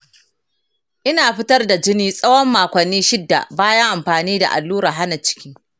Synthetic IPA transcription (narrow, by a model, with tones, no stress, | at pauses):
ʔɪ˦naː˨ɸɪ˦tɐ˦rda˨d͡ʒɪ˦niː˦sʼɐ˦wɔ˦mːaː˨kʷɐ˨nːiː˦ʃɪ˦dːa̰˨baː˦jɐ˦ŋʔa˨mɸaː˨niː˦da̰˨ʔa̰˨lːuː˦ɾaː˨ɦa˦na˨t͡ʃɪ̥˦kʲiː˦